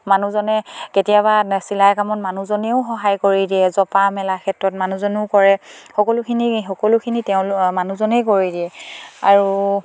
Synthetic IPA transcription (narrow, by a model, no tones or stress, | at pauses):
manuzɔnɛketijabasilajkamɔtmanuzɔnɛʊxɔɦajkoɹidiɛzɔpamɛlakʰɛtɹɔtmanuzɔnʊʊkɔɹɛxɔkɔlʊkʰinixɔkɔlʊkʰiniteʊ̃lmanuzɔnɛjkoɹidiɛa̰ɹu